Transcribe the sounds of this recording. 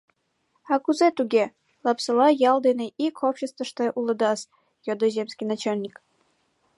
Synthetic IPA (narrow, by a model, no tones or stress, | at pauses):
ɑkuzet̪uɡʲe | lˠɑpsɤ̆lˠɑjɑlˠd̪enʲeʔikʰopɕest̪və̆ʃt̪ɑʔulˠɤ̆d̪ɑs | jod̪ozʲemsʲkʲinɑt͡ɕalʲnʲik